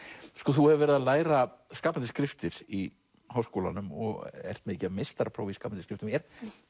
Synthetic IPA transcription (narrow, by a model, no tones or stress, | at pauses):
skɔθuhɛvɪɾvɛːɾɪðalaːjɾaskaːpant̪ɪ̥skɾɪft̪ɪɾ̥i | haːwskowla̰nʏmɔ̰ɣɛ̰r̥t̪mecɪamest̪aɾpʰɾa̰ːwiskaːpanskɾɪft̪mɛɾ